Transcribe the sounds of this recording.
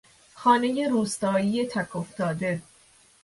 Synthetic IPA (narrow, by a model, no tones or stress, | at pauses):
xɒːne̞je̞ɾuːst̪ɒːjijet̪ʰækʰoft̪ɒːd̪e̞